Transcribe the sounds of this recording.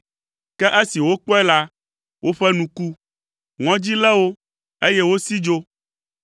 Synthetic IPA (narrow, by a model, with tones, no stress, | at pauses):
kɛ˦ʔe˦si˨wo˦k͡pɔ˦ɛ˦la˦ | wʔo˦ɸɛ˦nũ˨ku˦ | ŋɔ̃˦d͡ʑi˦lɛ˦wo˦ | e˦jɛ˦wo˦si˦d͡ʒo˦